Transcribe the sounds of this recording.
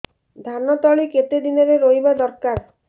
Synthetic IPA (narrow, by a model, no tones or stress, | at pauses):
d̪ʱanɔt̪ɔɭiket̪ed̪inɔɾeɾoɦibad̪ɔɾkaɾ